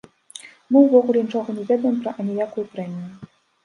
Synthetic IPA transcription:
mɨwvɔɣulʲɛnʲit͡ʂɔɣɔnʲɛvʲɛd̪ɐjɛmpɾɐʔɐnʲɛjakujupɾɛmʲiju

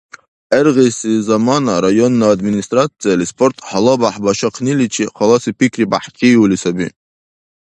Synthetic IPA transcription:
erʁesizamanaɾajonːaːd̪minist̪ʼrat͡sʰʼijalispʰortʰʼħalabaħbaʃaqʰnilit͡ʃʰiχʰalasipʰikʰribaħkʲʼiwulisabi

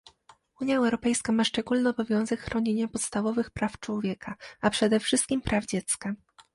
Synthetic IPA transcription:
uɲjaɛwɾɔpɛjskamaʂt͡ʂɛɡulnɘɔbɔvʲjɔ̃w̃zɛkxɾɔɲeɲapɔt̪st̪avɔvɘxpɾaft͡ʂwɔvʲjɛkʰaapʂɛd̪ɛfʂɘst̪kʲimpɾʔavd͡ʑɛt̪ska

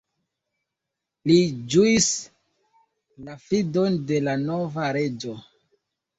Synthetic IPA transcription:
lid͡ʒuis | lafido̞nde̞lano̞vaɾe̞d͡ʒo̞

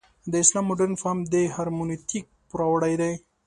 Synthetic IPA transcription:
d̪əɪslɑmːʊɖeɾnfamd̪eɦɑɾmunit̪ik̚pʊɾɑwɽajd̪aj

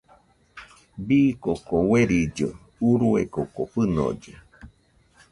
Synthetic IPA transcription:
bikokoweɾid͡ʒo | uɾuekokoɸɨno̰d͡ʒe

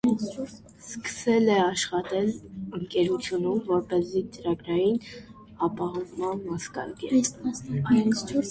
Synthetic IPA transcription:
skə̥sɛlɛɑʃχɑt̪ɛləŋkɛɾut͡sʰjunumvɔɾpɛzit͡səɾɑɡɾɑjin | ɑpɑɦɑvmɑnmɑskɑ̰ɾɡɛ | u

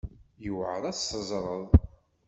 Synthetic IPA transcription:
jəwʕəðˤæsːəzˤɾˤəðˤ

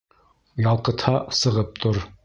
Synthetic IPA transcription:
jɑlˠqɤ̆t̪hɑsɤ̆ʁɤp̚t̪ʰoɾ

